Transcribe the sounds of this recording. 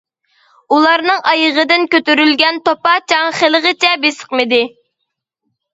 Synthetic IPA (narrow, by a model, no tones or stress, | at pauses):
ulˠɑɾnɨŋʔɑjəʁəd̪ɪnkʲøt̪yɾylɡʲɛnt̪opɑt͡ʃʰɑŋχelˠəʁət͡ʃʰɛbesə̥qmɨd̪ɪ